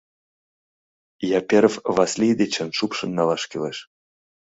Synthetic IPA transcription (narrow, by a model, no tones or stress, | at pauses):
jɑpʲeɾfvɑsʲlʲid̪ʲet͡ɕə̆nʃupʃɤ̆nːɑlɑʃkʲeleʃ